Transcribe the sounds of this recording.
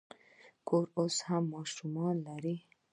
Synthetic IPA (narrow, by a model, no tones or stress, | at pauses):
kʰoɾoshamːɑʃumɑnlaɾi